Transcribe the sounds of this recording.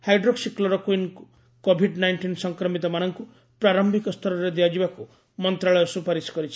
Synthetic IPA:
hajɖɾoksiklɔɾɔkwin | kobʱiɖnajɳʈinsɔŋkɾɔmit̪ɔmanɔŋku | pɾaɾɔmbʱikɔst̪ʰɔɾɔɾed̪iad͡ʒibaku | mɔnt̪ɾaɭɔjɔsupaɾiskɔɾit͡ʃʰi̥

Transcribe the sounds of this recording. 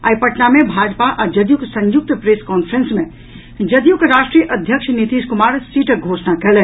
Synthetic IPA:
aːipəʈnamẽbʱaːd͡ʒpaʔad͡ʒɐd̪juksə̃ɲjʊk̚t̪pɾeskɔːnpʰɾẽnsmẽ | d͡ʒəd̪jukɾaːʃʈɾijəʔəd̪ʱjəkʃnit̪iːʃkʊmaːɾsiːʈəɡʱoːsnakɛɦlɛ

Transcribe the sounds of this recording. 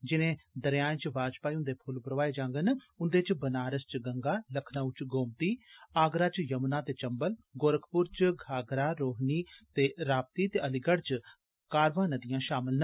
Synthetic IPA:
d͡ʒɪnẽːd̪əɾjãːt͡ʃʋaːd͡ʒpaːiʊ̃nd̪eːpʰʊlbəɾʋaːeːd͡ʒãːŋɡən | ʊnd̪eːt͡ʃbənaːɾəst͡ʃɡəŋɡaːləkʰnaut͡ʃɡoːmt̪iːaːɡɾaːt͡ʃjəmnãːt̪eːt͡ʃəmbəlɡoːɾəkʰpʊɾt͡ʃɡʱaːɡɾaːɾoːɦniːt̪eːɾaːp̚t̪iːt̪eːəlɪɡəɽt͡ʃ | kaːɾʋãːnəd̪ijãːʃaːmɪlnə

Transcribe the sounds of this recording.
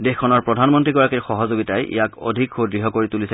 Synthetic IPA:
dexkʰːɔnɔɹpɹɔdʱanmɔntɹiɡɔɹakiɹxɔɦɔzoɡitajʔḭjako̰dʱikxodɹiɦɔkoɹitulisɛ

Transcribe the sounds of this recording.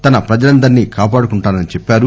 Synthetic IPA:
t̪ɐnɐpɾɐd͡ʒɐlɐnd̪ɐɾnikaːpaːɽukuɳʈaːnɐnit͡ʃɛpːaːɾu

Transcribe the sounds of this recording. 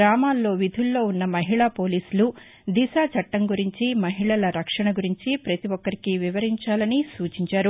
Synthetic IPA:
ɾaːmaːlːo̞ːʋid̪ʱulːo̞ːunːɐmɐɦiɭaːpo̞ːliːsulu | d̪isaːt͡ʃɐʈːɐŋɡuɾiɲt͡ʃimɐɦiɭɐlɐɾɐkʂɐɳɐɡuɾiɲt͡ʃipɾɐt̪iʋɔkːɐɾikiʋiʋɐɾiɲt͡ʃaːlɐnisuːt͡ʃiɲt͡ʃaːɾu

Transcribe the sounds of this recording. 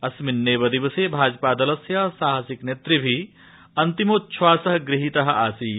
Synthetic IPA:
ɐsminːeːʋɐd̪iʋɐseːbʱaːd͡ʒpaːd̪ɐlɐsjɐsaːɦɐsiknet̪ɾibʱi | ɐnt̪imoːtːʃʰʋaːsɐɦɐɡɾiɦit̪ɐɦɐ̆aːsiː

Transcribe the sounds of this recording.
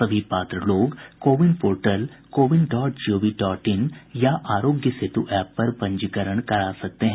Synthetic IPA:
ɐbʱipaːt̪ɾəloːɡkoːʋɪnpoːɾʈəlkoːʋɪnɖɔːʈ̚d͡ʒioːʋiʈɔːʈɪnjaʔaːɾoːɡjəsɪt̪uʔɛːpːɐɾpɐ̃ɲd͡ʒəkəɾəɽ̃kɐɾaːsɐk̚t̪eɦɛ̃

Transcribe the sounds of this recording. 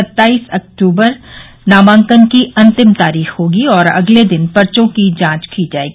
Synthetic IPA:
ɐt̪ːaːiːsɐk̚ʈuːbəɾ | naːmãːŋkənkiɐ̃nt̪ɪmt̪aːɾiːxɦoːɡiɔːɾɐ̰ɡled̪ɪnpɐɾt͡ʃõkid͡ʒãːt͡ʃkid͡ʒaːḛːɡiː

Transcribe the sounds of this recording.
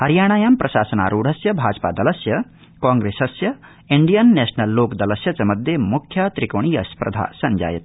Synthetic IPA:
hɐɾjaːɳ̃aːjaːmpɾɐʃa̰ːsɐna̰ːɾuːɽ̤ʱɐsjɐbʱaːd͡ʒpa̰ːd̪ɐlɐsjɐ | kaːŋɡɾeːsɐsjɐ | iɳɖijɐnːɛːʃnɐlːoːkd̪ɐlɐsjɐt͡sɐmɐd̪ʱjemukʰjaːt̪ɾikoːɳ̃ijɐspɾɐ̰d̪ʱa̰ːsɐɲd͡ʒa̰ːjɐt̪̚

